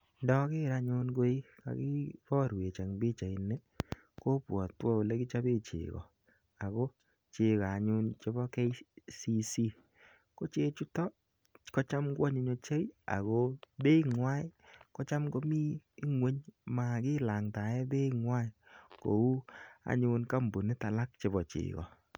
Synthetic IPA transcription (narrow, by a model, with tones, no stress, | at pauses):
ndɔ˦kɪ˦˨ɾa˧ɲʊ˧nɡo˦i˦ka̰˨ki˦pɔ˦ɾwe˨t͡ʃa˨ŋbɪ˦t͡ʃa˨i˨ne˦ | ko˦pwɔ˨twɔ˦u˨le˦ki˦t͡ʃa˦be˦t͡ʃḛ˨kɔ̰˨ | a˨ko˦ | t͡ʃe˧ka˨ɲʊ˧nt͡ʃo˦bɔ˦kɛ˦si˦si˦ | ko˦t͡ʃe˦t͡ʃu˦tɔ˦ | kɔ˦t͡ʃa˦mɡwɔ˦ɲe˦ɲo˦t͡ʃe˦a̰˨ɣo˦be˦i˦ŋwa˦jkɔ˦t͡ʃa˦mɡo˦mi˦i˦ŋwe˦ɲma˨kɪ˦la˨ŋta˨ɛ˦be˦ŋwa˦jko̰˨u˦a̰˨ɲʊ˧nka˦mbu˨ne˦ta˨la˦k̚t͡ʃe˨bɔ˨t͡ʃɪ̰ː˨kɔ̰˨